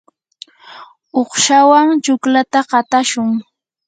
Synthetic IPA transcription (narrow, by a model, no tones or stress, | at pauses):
oχʃawaŋt͡ʃʊklat̪aɢɑt̪aʃʊŋ